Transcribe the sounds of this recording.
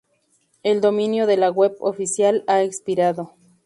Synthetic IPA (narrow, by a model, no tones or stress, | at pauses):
eld̪omĩnjo̞ðe̞laɣweβo̰fisjalaekspiɾaðo